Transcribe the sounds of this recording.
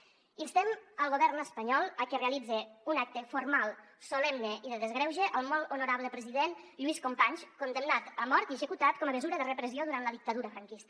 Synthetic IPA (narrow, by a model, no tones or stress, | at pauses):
inst̪ɛməlˠɣoβɛrnəspəɲɔlˠəkereəlid͡zeunak̚t̪əfuɾmalˠ | sulɛmneʔiðəðəzɣɾɛwʒeʔəlˠmɔlunuɾaβləpɾəziðenʎuiskumpaɲskund̪əmnat̪əmɔɾt̪iəʒəkut̪at̪kɔməməzuɾəðərəpɾəzioðuɾant̪ləðik̚t̪əðuɾəfɾəŋkist̪